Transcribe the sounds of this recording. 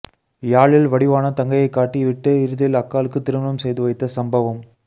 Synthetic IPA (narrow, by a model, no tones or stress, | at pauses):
jaːɭɪlʋɐɽɪʋaːnɐt̪ɐŋɡɐjɐɪkːaːʈːiʋɪʈːɯɪɾɯðɐjɪlɐkːaːlɯkːɯt̪ːɪɾɯmɐnɐmsɛjðɯʋɐɪt̪ːɐsɐmbɐʋɐm